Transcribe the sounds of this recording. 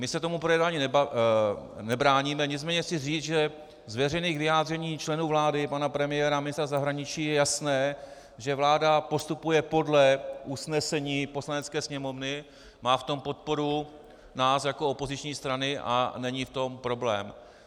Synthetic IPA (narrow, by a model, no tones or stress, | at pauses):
mɪsɛt̪o̞mupɾojɛdaɲinɛ | nɛbɾaːɲiːmɛɲɪt͡smɛːɲɛsɪriːt͡sʒɛ | zvjɛr̝ɛniːɣvɪjaːd̪rɛɲiːt͡ʃlɛnuːvlaːdɪpanapɾɛmɪjɛɾamɪnɪst̪ɾazaɦɾaɲɪt͡ʃiːjɛjasnɛː | ʒɛvlaːdapo̞st̪upujɛpo̞dlɛʔusnɛsɛɲiːpo̞slanɛt͡skɛːsɲɛmo̞vnɪ | maːft̪o̞mpo̞t̪̚po̞ɾu | naːsjako̞o̞po̞zɪt͡ʃɲiːst̪ɾanɪʔa̰nɛɲift̪o̞mpɾo̞blɛ̰ːm